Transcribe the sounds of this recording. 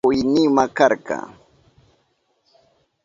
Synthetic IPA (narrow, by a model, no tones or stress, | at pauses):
ʊjnɪmakaɾkɑ̰